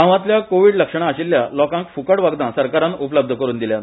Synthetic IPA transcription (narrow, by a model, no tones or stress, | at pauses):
ãʋãt̪ljakoʋiɽləkʂəɳ̃aːɕilːjalɔkãŋkfukəɽʋaɡd̪ãsəɾkaɾãnupləb̚d̪ʱəkəɾuːnd̪iljat̪